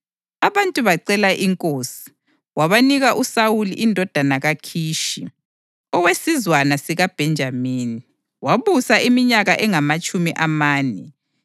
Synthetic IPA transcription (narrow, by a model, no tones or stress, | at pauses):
aβantʼuβaǀɛlaʔiŋkʼoːsi̥ | waβaniɣaʔusawuliʔindʱɔd̥ʱanaɣakʰiːʃḭ | ɔwesizwanasiɣab̥ʱɛnd͡ʒʱamiːni | waβusaʔimiɲaɣaʔɛŋamat͡ʃʼumiʔamaːnɛ̰